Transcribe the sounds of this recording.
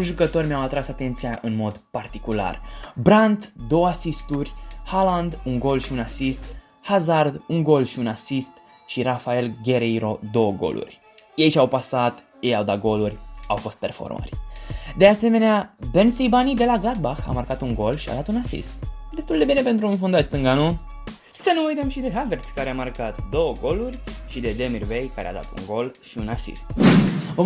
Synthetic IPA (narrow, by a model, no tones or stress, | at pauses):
ʒukət̪o̞rʲmjawat̪ɾasat̪e̞nt̪sijaʔɨnmo̞d̪part̪ikula̰rbɾant̪d̪o̞wəasist̪urʲhaland̪uŋɡo̞lʃiunasist̪ | hazard̪uŋɡo̞lʃiunasist̪ | ʃiɾafae̞lɡʲe̞ɾejɾo̞d̪o̞wəɡo̞̰lʔṵrʲ | jejʃawpasat̪ | jejawd̪aɡo̞lurʲawfo̞st̪̚pe̞rfo̞̰rmə̰rʲd̪e̞ase̞me̞neabensejbanid̪e̞laɡlad̪̚baxa̰markat̪uŋɡo̞lʃia̰d̪at̪unasḭst̪̚d̪e̞st̪uld̪e̞bine̞pent̪ɾuːnfund̪ast̪ɨŋɡanu | sənuujt̪əmʃid̪e̞ɦavert̪sʲkaɾeamarkat̪d̪o̞wəɡo̞lurʲʃid̪e̞d̪e̞mirvejkaɾḛa̰d̪a̰t̪ṵŋɡo̞lʃiunasḭst̪vo